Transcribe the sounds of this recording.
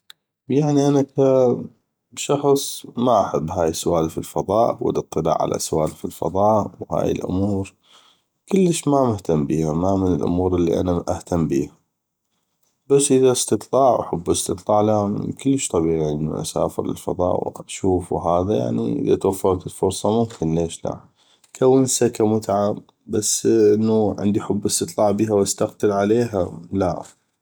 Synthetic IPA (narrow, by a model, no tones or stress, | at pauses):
jaʕniʔanaka | ʃɑxsˤmaʔaħabːɦaːjəsʊʔaːlfilfɑðˤɑːʔwə̰lʔɨt̪ˤːɨla̰ːʕa̰lʔa̰sʊwaːlfilfɑ̰ðˤɑːʔwha̰ːjɪ̰lʔʊ̰muːɾ | kɪlːəʃmamɪht̪amːbiːhamamənɪlʔʊ̰muːɾəlːiʔa̰naʔaht̪amːbiːha | basːʔəðaʔɪst̪ɨt̪ˤlɑːʕwħʊbːʔɪst̪ɨt̪ˤlɑːʕlakɪlːəʃt̪ˤɑbiːʕiʕɪnd̪na̰ʔa̰sa̰ːfɪ̰ɾlɪ̰lfɑ̰ðˤɑ̰ːʔw̰ʃuːfwɦaːðaja̰ʕnḭʔɪ̰ðat̪wafːɑɾˤt̪ɪlfʊɾsˤɑmʊmkʰɪnleːʃla̰ | kʰawːənsakamʊt̪ʕa | basːʔɪnːuʕɪ̰nd̪iħʊbːɪst̪ɨt̪ˤlɑːʕbiːɦawast̪aqt̪ɪlʕaleːɦalaʔf